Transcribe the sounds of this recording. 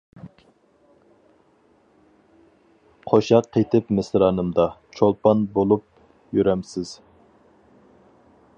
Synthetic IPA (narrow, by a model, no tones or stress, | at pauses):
qʰoʃɑqʰːet̪ʰɪpmɪsɾɑːnɨmd̪ɑt͡ʃʰolˠpɑnbolˠup̚ | jyɾɛmsɪz̥